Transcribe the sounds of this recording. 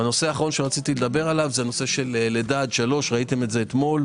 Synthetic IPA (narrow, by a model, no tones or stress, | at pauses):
ano̞seaːχaʁo̞nʃeʁat͡sit̪iled̪abe̞ʁalavzeano̞se̞ʃe̞lːed̪aːd̪ʃalo̞ʃʁait̪e̞metzeːt̪mo̞l